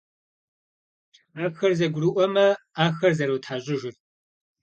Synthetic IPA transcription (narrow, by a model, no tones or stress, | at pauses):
aːpxɐrzɐɡʷʊruʔʷɔmɐ | aːxɐrzɐɾɐwtʰħaːʑʼɪʒɪr